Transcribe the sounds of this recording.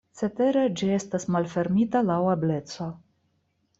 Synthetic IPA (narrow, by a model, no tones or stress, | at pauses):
t͡se̞t̪e̞ɾed͡ʒie̞st̪asmalfe̞ɾmit̪alawable̞t̪t͡so